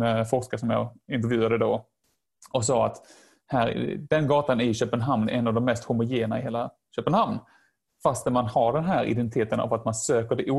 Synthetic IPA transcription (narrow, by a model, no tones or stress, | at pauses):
ɛfɔʂkaʂɔmjɑːɪnt̪̬ɾvjʉ̟ːad̪əd̪o | ɔksɑːa̰t̪ | hæːɾ̰d̪ɛnɡɑːt̪anɪɕøːpənɦamnɛ̰ɛnːavd̪ɔmːɛst̪hʊmːʊjeːnaɪheːla | ɕøːpənhamn | fast̪næmanhaɖɛnɦæːɾɪ̰d̪ɛnt̪ɪt̪ʰeːt̪əna̰vat̪mansøːkəɖɛʔuː